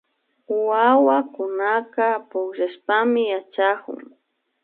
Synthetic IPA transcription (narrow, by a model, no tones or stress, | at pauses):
wawakʊnakapʊkʒaʃpamɪjat͡ʃakʊ̰ŋ